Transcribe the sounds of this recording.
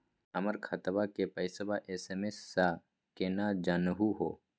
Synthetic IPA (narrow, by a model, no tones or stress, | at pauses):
əməɾkʰət̪bakepəɪsəbaʔeːsemesːa | kenad͡ʒanɦuɦo̰ː